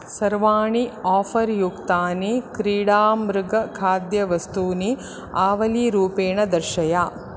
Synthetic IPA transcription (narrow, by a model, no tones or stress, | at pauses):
sɐɾʋaːɳiaːpʰɐɾjukt̪aːnikɾiːɽaːmɾɪɡɐkʰaːd̪jɐʋɐst̪uːni | aːʋɐliɾuːpeːɳɐd̪ɐɾʃɐjaː